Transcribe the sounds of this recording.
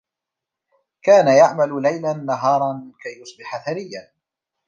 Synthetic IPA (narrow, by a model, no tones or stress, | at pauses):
kaːnajaʕmallajlanːaɦɑːɾˤɑnmɪkajːʊsˤbɪħaθaɾɪjːan